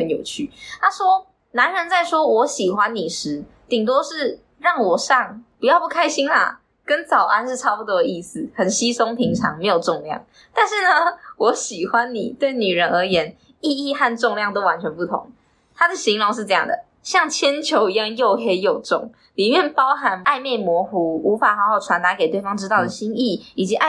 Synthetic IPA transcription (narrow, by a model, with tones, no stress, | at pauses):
hə˨˦njo˨˩ʊt͡ɕʰy̰˥˩t̪a˥ʂwɔ˦˥ | na˧˦nɻə˧˦nt͡sa˥˩ɪʂwɔ˥wɔ˧˥ɕi˨˩xwa˦nni˨˩ʂɻ̩˧˦ | t̪i˨˩ŋt̪wo˥ʂɻ̩˥˩ | ɻɑ˥˩ŋwɔ˨˩ʂɑ˥˩ŋpu˧˥jɑ˥˧ʊpu˥˩kʰa˥ɪɕi˥nla̰˨˩ | kə˦nt͡sɑ˨˩ʊʔa˦˥nʂɻ̩˥˩ʈ͡ʂʰɑ˥ʊpu˧˩t̪wɔ˦˥d̪ə˨˧i˥˩s̩˨˩hə˨˩nɕi˦sʊ˥ŋpʰi˧˥ŋʈ͡ʂʰɑ˧˦ŋme˧˥ɪjo˨˩ʊʈ͡ʂʊ˥˧ŋljɑ̰˥˨˩ŋ | t̪a˥˧nʂɻ̩˥˩nə˩wɔ˧˦˥ɕi˨˩xwa˦nnḭ˨˩t̪we˥˩ɪni˨˩ɻə˧˦nə˧˥jɛ˧˥n | i˥˧i˥˧xa˥˧nʈ͡ʂʊ˥˧ŋljɑ˥˧ŋt̪o˥ʊwa˧˦nt͡ɕʰɥɛ˧˦npu˥˩t̪ʰʊ̰˧˦ŋ | t̪ʰa˥d̪ə˨ɕi˧˥ŋlʊ˧˦ŋʂ̬ɻ̩˥˧ʈ͡ʂɤ˥˧jɑ̰˥˩ŋd̪ə̰˩ | ɕjɑ˥˩ŋt͡ɕʰjɛ˥nt͡ɕʰjo˧˥ʊi˧jɑ˥˧ŋjo˥˧ʊxe˧˥ɪjo˨˩ʊʈ͡ʂʊ̰˥˩ŋ | li˨˩mjɛ˥˩npɑ˦ʊɦa˧˦na˥˧ɪme˥˩ɪmwɔ˧˥xu˧˥u˧˥fa˨˩xa˧˥ho˥˩ʊʈ͡ʂʰwa˧˦nt̪a˧˥ke˨ɪt̪we˥˩ɪfɑ˥ŋʈ͡ʂɻ̩˥t̪ɑ˥˩ʊd̪ə˩ɕi˥ni˥˩i˨˩t͡ɕi˧˦ʔa˥